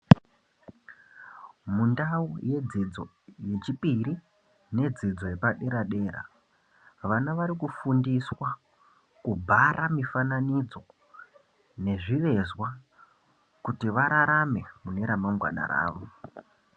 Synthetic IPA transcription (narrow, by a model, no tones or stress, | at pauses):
mundauje̞d͡zid͡zo̞̰ | je̞t͡ʃipiɾi | ne̞d͡zid͡zo̞jepaɗe̞ɾaɗe̞ːɾa̰ | ʋanaʋaɾikufundiswa | kubʱaɾʔamifananid͡zo̞ | ne̞ʐiʋe̞zwa | kutiʋaɾaɾame̞mune̞ɾamaŋɡwa̰na̰ɾa̰ːʋo̞